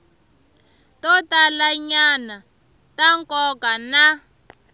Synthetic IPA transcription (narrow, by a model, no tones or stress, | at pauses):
tɔtalaɲana | taŋkɔkana